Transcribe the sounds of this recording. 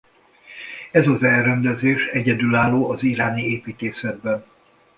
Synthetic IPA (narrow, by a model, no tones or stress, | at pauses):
ɛzɒzɛrɛnd̪ɛzeːʃɛɟɛd̪ylaːlːoːɒziɾaːnieːpiːt̪eːsɛd̪̚bɛn